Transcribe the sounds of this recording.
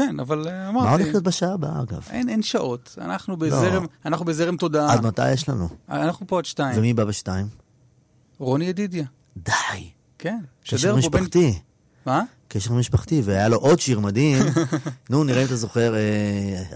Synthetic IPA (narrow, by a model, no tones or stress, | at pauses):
kena̰valamaʁtmaoleχlio̞t̪̚baʃaaːbaaɡa̰venenʃaʔo̞ta̰naχnubelzeʁemanaχnubezeʁemt̪o̞daaad̪mata̰jeʃlanuanaχnupoad̪ʃtaivemibabeʃtaim | ʁoniedid̪ja | d̪aj | kenʃkedʃeʁmiʃopt̪i | ma | keʃeʁmiʃpaχt̪iveajaloʔod̪ʃiʁmad̪imnuniʁaimtazo̞χe̞ʁe